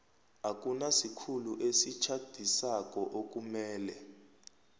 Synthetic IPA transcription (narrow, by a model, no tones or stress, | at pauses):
ak̬ʼunasikʰuluʔesit͡ʃʰad̥ʱisak̬ʼɔʔok̬ʼumɛːlɛ